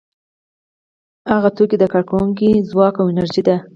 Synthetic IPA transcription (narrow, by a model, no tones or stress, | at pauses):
haɣat̪okid̪əkɑɽkawuŋk̬izwɑkawɪnaɾʒid̪a